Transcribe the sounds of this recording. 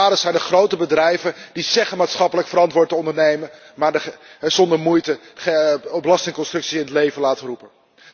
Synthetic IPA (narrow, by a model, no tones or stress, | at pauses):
aːdəsɛjndəχrowtəbədrɛjvəndisɛχəmaːtsχɑpələkfəɾɑntʋʊːɹtəɔndəɹnejmə | maːɹdəz̥ɔndəɹmujtə | bəlɑstɪŋkɔnstrɵksiɪnətlejvənlaːtərupən